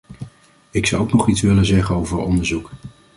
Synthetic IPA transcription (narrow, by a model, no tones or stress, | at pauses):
ɪkswowknɔχitsʋɪlənzɛχənowvəɹɔndəɹzuk